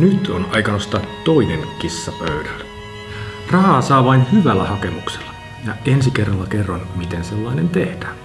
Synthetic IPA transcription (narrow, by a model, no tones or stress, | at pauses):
nyt̪onɑikɑnost̪ɑːtːoineŋkisːɑpøydæl | rɑhɑːsɑːʋɑinhyʋælːæhɑkemukselːɑ | jɑensikerːɑlːɑkerːɑnmit̪enselːɑinent̪ehd̥æː